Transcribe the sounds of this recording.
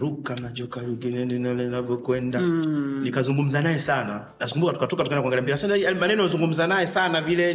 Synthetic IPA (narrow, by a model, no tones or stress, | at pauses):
ɾukamad͡ʒɔkaɾuɡinɛninalɛnavjɔkwɛndanikazuŋɡum̩zanajɛsana | naskumbukatu̥katɔkatukaɛndakɔŋɡaliampiɾasanamanɛnɔɔzuŋɡum̩zanajɛsanavilɛ